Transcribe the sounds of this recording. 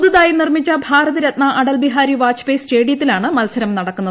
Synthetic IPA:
d̪uðaːjinirmit͡ɕːɐbʱaːɾɐðɐɾɐt̪nɐʔɐɽɐlbiɦaːɾiʋaːt͡ɕʰpesʈeːɽijɐt̪ːilaːɳɨmɐlsɐɾɐmnɐɽɐkkːunːɐð

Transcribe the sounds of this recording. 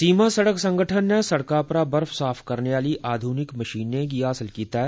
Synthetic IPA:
siːmasɐɽəksɐ̃ŋɡʱəʈʰənːesɐɽkaːpɾabɐɾfsaːfʰkɐɾneʋaːliʔaːd̪ʱuːnɪkmɐʃiːnẽkiɦaːsəlkiːt̪aɦɛː

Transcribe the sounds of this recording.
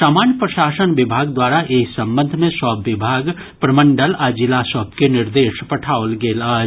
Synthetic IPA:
saːmaːnjəpɾəʃaːsənʋɪbʱaːɡd̪waːɾaʔeːksə̃mbə̃nd̪ʱmẽsɔːbːɪbʱaːɡ | pɾəmə̃ɳɖəlaːd͡ʒɪlasɔːbkenɪɾd̪eːʃpɐʈʰaːolɡeːlaː

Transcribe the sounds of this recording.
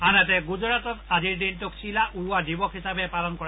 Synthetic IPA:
anat̪ɛɡud͡ʒɔɾat̪ɔt̪ad͡ʒiɹdintuksilaʔuɾuadibɔkʰɦisabepalɔnkɔɾa

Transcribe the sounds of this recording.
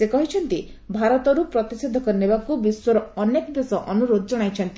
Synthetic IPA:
sekɔɦit͡ʃʰɔnt̪i | bʱaɾɔt̪ɔɾupɾɔt̪ised̪ʱɔkɔɾinebakubiswɔɾɔɔnekɔbesɔʔɔnuɾod̪ʱɔd͡ʒɔɽ̃ajt͡ʃʰɔnt̪i

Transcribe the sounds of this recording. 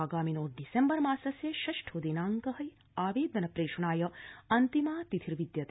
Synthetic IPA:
aːɡaːminoːʈ̚ɖisembɐɾmaːsɐsjɐʃɐʃʈʰod̪inaːŋkɐɦɐj | aːʋeːd̪ɐnɐpɾeːʃɐɳaːjɐɐnt̪imaːt̪it̪ʰiɾʋid̪jɐt̪

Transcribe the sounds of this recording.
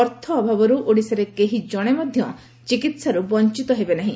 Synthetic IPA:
ɔɾt̪ʰɔːbʱabɔɾuʔoɽiseɾekeɦid͡ʒɔɽ̃emɔd̪ʱjɔ | t͡ʃikit̪saɾubɔnt͡ʃit̪ɔɦebenaɦĩ

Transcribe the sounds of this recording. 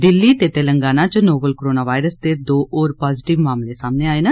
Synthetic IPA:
d̪ɪlːiːt̪eːt̪eːləŋɡaːnãːt͡ʃnoːbəlkɾoːnaːʋaːɪɾəsd̪eːd̪oːʔoːɾpaːzɪʈɪʋmaːmleːsaːmneaːeːna

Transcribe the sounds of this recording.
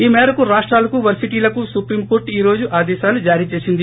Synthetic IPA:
iːmɛːɾɐkuɾaːʂʈɾaːlɐkuʋɐɾsiʈiːlɐkusupɾiːmkoːɾʈiːɾo̞ːd͡ʒuʔaːd̪ɛːʃaːlud͡ʒaːɾiːt͡ʃe̞ːsind̪i

